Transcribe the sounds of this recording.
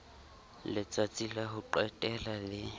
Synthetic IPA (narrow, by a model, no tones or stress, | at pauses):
lɪt͡sʼat͡sʼilaɦʊǃwɛtʼɛlalɪ